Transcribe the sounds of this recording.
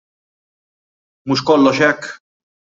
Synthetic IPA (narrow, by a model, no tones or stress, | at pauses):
muːʃkɔlːɔʃɛkː